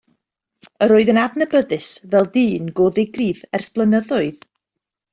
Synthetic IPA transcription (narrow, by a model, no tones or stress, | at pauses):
əɾoːɨðənadnəbəðɨsvɛlˠdiːnɡoːðɪɡriðɛrsb̥lˠənəðɔɨð